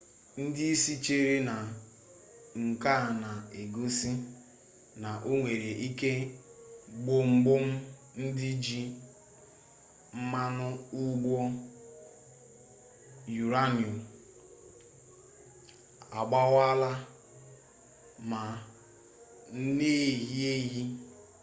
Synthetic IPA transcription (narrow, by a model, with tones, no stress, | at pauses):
n̩˦dɪ˦i˦si˦t͡ʃe˦ɾi˦na˨ | ŋ̩˨ka˦˨na˨e˨ɡo˦si˦ | na˨ʔo˦ŋʷe˨ɾe˨ʔi˦ke˦ | ɡ͡bo˦ŋ͡m̩˦ɡ͡bʊ˦m̩˦ | n̩˦dɪ˦d͡ʒi˦ | m̩˦ma˦nʊ˦u˦ɡ͡bo˦ | ju˨ɾa˦nju˨m | a˨ɡ͡ba˦ɣa˦la˦ | ma˨ | n̩˦ne˦˨ɦi˦e˦ɦi˦